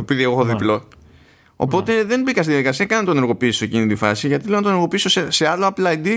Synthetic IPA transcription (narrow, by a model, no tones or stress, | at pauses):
opiðieɣxoðiplo̞ | o̰po̞t̪e̞ðe̞nbikɐst̪iðjɐðikɐsiɐkɐnnt̪one̞ɾɣo̞piːsoecinit̪ifɐ̰siʝɐt̪iθenɐt̪one̞ɾɣo̞piiso̞sese̞ɐlo̞ɐplɐid̪i